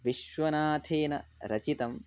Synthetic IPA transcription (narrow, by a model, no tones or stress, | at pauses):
ʋiʃʋɐnaːt̪ʰeːnɐɾɐt͡ʃit̪ɐm